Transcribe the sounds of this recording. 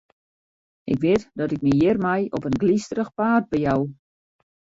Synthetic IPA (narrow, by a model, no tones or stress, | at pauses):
ʔɪ̰kʋɪtdɔtɪk̚mijɪrmɛjɔpənɡlistrəxpaːrd̚bɛjaw